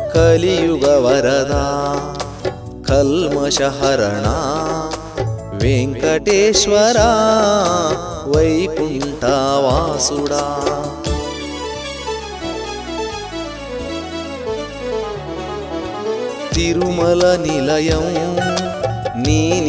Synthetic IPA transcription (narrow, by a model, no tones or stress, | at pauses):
kɐlijuɡɐʋɐɾɐd̪a | kɐlmɐʃɐɦɐɾɐ̰ɳa | ʋeŋkɐʈeːʃʋɐɾa | ʋɐjkuɳʈaʋaːsuɽa | t̪iɾumɐlɐnilɐjɐm | ni